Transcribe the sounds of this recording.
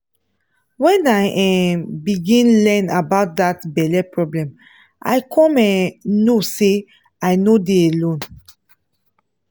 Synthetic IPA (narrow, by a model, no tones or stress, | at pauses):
wɛ̃naɪʔɛ̃biɡĩnlɛ̃nabaʊt̚datbɛlɛpɹɔblɛ̃m | ʔa̰ɪkʰɔ̃mɛ̃nːose | aɪnodeelõn